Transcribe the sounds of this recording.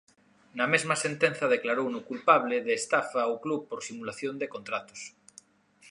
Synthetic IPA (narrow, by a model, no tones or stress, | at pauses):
namezmasent̪ẽn̟θað̞eklaɾownukulpaβ̞leðeːst̪afaoklupoɾsimulaθjond̪ekont̪ɾat̪o̥s